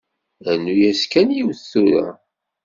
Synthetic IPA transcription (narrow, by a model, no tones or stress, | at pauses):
ænːujæskænjiwθθuɾæ̰